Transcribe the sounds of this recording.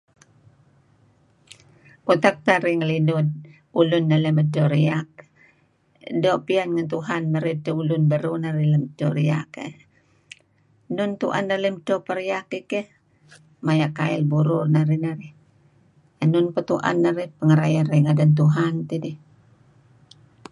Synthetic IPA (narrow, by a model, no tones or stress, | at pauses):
kut̪ak̚t̪aɾiŋəlidʊd̪̚ | ulʊnːələmədɔɾiak̚ | dopianŋant̪uɦanməɾitəulʊnbəɾunaɾiləmətɔɾiakə̰ | nʊnt̪uʔa̰nːaləmtopəɾijakikɛh | majaʔkaɪlbuɾʊrnaɾinaɾi | ənʊnpət̪uʔa̰nːaɾihpəŋəɾajanɾiŋadant̪̬uɦant̪idi